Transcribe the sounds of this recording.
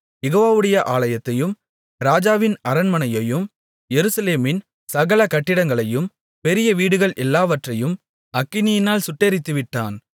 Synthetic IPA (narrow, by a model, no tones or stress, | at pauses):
jɛɣoːʋaːʋɯɽɐjɐʔaːɭɐjɐt̪ːɐjɯm | ɾaːd͡ʒaːʋɪnɐɾɐnmɐnɐjɐjɯm | jɛɾɯsɐleːmɪn | sɐɣɐɭɐkɐʈːɪɽɐŋɡɐɭɐjɯm | pɛɾɪjɐʋiːɽɯɣɐɭʔɛlːaːʋɐʈrɐjɯm | ɐkːɪnɪjɪnaːlsʊʈːeːɾɪt̪ːɯʋɪʈːa̰ːn